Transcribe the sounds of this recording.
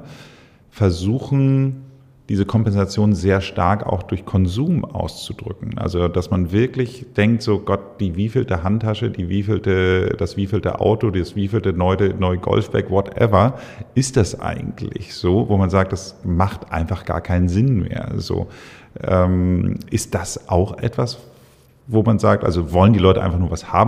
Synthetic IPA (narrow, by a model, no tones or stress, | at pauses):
fɛɐzuːxn̩ | d̥iːzəkʰɔmpɛnzat͡sjoːnnzeːɐʃtaɐka̰ʊxd̥ʊɐçkʰɔnzuːmʔa̰ʊst͡sud̥ʁʏ̰kŋ̩ʔa̰lzod̥asmanvɪɐklɪçd̥ɛŋk̚tz̥oːɡ̥ɔt̚d̥iːviːfl̩təɦantʰːaʃədiːviːfltəd̥asv̥iːfl̩tə̰ʔa̰ʊtodisv̥iːfl̩tənɔʏtənɔʏɡɔ̰lfb̥ɛ̰kvɔtʔɛ̰vɐ | ʔɪst̚d̥asʔa̰ɪɡŋ̩tʰlɪ̰çz̥oːvomanzaːk̚td̥asmaχtʔa̰ɪnfaχɡ̥a̰ːɐkʰaɪnənzɪnmḛːɐzo̰ː | ʔɛːmʔɪst̚d̥asʔaʊxʔɛ̰tv̥as | voːmanzaːk̚tʔa̰lzovɔləndiːlɔʏtəʔa̰ɪnfaχnuɐvasha̰ːbm̩